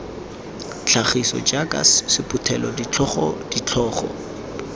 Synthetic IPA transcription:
t͡ɬʰaχisɔ̰t͡ʃakʼa̰ssɪpʰʼʊtʰɛlɔdit͡ɬɔχɔ̰d̥it͡ɬʰɔːχɔ̰

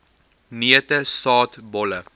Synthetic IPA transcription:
niətəsɑːtbɔlə

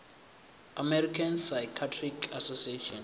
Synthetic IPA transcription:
amɛɾikʰansajkʰatʰrikʰasosieʃɔn

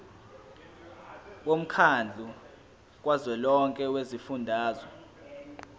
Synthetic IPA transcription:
om̩kʰand͡ɮʱu | k̬ʼwazwɛlɔŋkʼɛwezifundʱaːzɔ

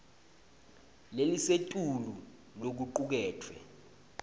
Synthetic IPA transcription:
lelisetʼulu | lok̬uǃuk̬ɛːtʰwɛ̰

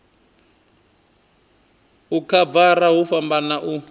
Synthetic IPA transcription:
ukʰavaɾaɦuɸambanaʔu

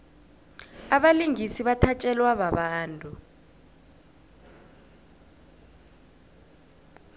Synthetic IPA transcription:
aɓaliŋisiɓatʰat͡ʃʼɛlwaɓaɓaːntʼu

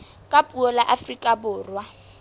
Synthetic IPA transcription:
kʼapʼuɔlaʔafrikʼabʊːrwa

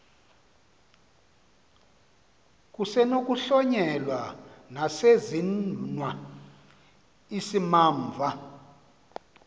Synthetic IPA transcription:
k̬ʼusɛnok̬ʼuɬɔɲɛlwanasezinnwa | isimaːɱvʱa

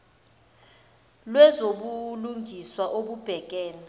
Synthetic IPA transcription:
lwɛzoɓuluŋʱiswaʔoɓub̥ʱɛkʼɛːna

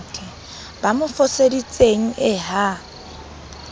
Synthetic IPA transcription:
kʼɛ | b̥amʊfʊsedit͡sʼeŋ̩ɪɦa

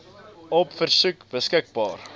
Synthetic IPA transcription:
ɔpfərsʉkbəskək̚bɑːr

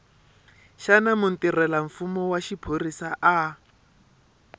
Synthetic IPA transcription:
ʃanamʊn̩tirɛlaɱ̩fumɔwaʃipʰorisaʔa

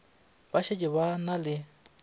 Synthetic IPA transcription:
baʃʰecʼɪβanalɪ

